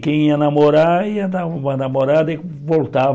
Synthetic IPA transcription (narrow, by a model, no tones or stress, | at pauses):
kẽj̃iɐnamoɾaiɐnaanamoɾad̪e | volt̪a